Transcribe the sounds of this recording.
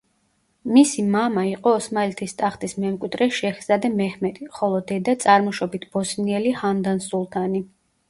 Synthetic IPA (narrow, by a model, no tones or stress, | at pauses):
misimamaiqʼɔːsmaɛlt̪ʰist̪ʼaχt̪ʼismɛmkʼwid̪ɾɛʃɛxzad̪ɛmɛhmɛd̪iχɔlˠɔd̪ɛd̪at̪sʼaɾmɔʃɔbit̪ʰb̥ɔsniɛlihand̪ansulˠt̪ʰani